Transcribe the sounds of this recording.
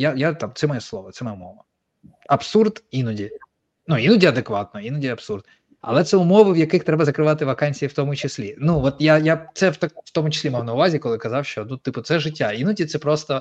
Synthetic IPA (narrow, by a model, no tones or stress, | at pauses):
jajat̪ɑmt̪sɛmɔjɛslˠɔʋɔt̪sɛmɔjɛʊmɔʋɐ | ɐpsurd̪inʊdʲi | nuinʊdʲiɐd̪ekʋɑt̪̚nɔinʊdʲiɐbsurd̪ | ɐ̰lˠɛt̪sɛʊmɔʋɨwjɐkɪxt̪ɾɛbɐzɐkɾɪʋɑt̪ɪʋɐkɑnʲsʲijiwt̪ɔmʊt͡ʃɪsʲlʲinuʋɔt̪jajat̪sɛwt̪akft̪ɔmʊt͡ʃɪ̥sʲlʲimawnɐʊʋɑzʲikɔlˠɪkɐzɑwʃt͡ʃɔnut̪ɪpʊt̪sɛʒɪtʲːainʊdʲit̪sɛpɾɔst̪ɔ